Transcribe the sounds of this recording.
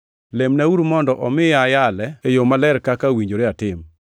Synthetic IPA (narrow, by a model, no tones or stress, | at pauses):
lemnauɾumɔndɔʔɔmɪajalɛejomalɛɾkakawiɲd͡ʒoɾeatɪm